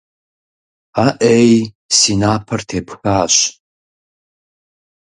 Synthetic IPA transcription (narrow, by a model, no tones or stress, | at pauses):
aʔej | sinaːpʰɐrtʰepʰxaːʃ